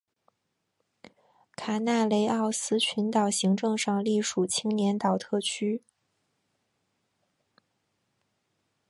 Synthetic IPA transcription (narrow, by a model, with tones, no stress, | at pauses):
kʰa˨˩na˥˩le˧˥ɪɑ˥˩ʊsɹ̩˥t͡ɕʰy˧˥nt̪ɑ˨˩ʊɕi˧˥ŋʈ͡ʂɤ˥˧ŋʂɑ˥˧ŋli˥˩ʂu˨˩t͡ɕʰi˥ŋnjɛ˧˥nt̪ɑ˨˩ʊt̪ʰɤ˥˩t͡ɕʰy˥